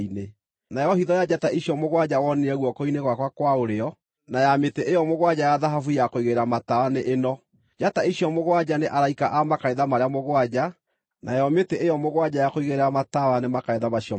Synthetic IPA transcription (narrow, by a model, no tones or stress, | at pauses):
ine | najɔhiðɔjad͡ʒataiɕjɔmoɣwad͡ʑawɔneɛɣwɔkoineɣwakwakwaoɾeɔ | najameteʔejɔmoɣwad͡ʑajaðaɦafujakoiɣeɾeɾamatawaneʔenɔ | d͡ʒataiɕjɔmoɣwad͡ʑaneʔaɾaikaʔamakaeðamaɾeamoɣwad͡ʑa | najɔmeteʔejɔmoɣwad͡ʑajakoiɣeɾeɾamatawanemakaeðamaɕiɔ